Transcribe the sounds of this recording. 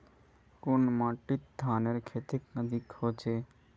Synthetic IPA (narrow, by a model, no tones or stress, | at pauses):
konmãːʈit̪̚d̪ʱaːneɾkʰeːt̪ik̚nəd̪ikhoːt͡ʃʰe